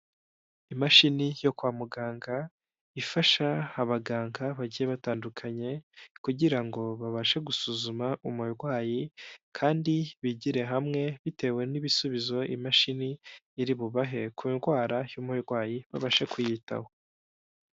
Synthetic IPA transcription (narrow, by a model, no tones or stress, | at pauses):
imaʃinijo̞kwaːmuɡaːŋɡa | ifaʃaːβaɡaːŋɡaβaɟijeβataːndukʰaɲe̞kuɟiɾaŋɡo̞βaβaʃe̞ɡusuzumaʔumujɾɡwaːjikʰaːndiβiɟiɾe̞ɦamŋe̞βite̞we̞niβisuβizo̞ʔḭmaʃiniː | ɾiβuβaɦe̞kʰumɾɡwaːɾajuːmujɾɡwaːjiβaβaʃe̞kujita̰ho̞̥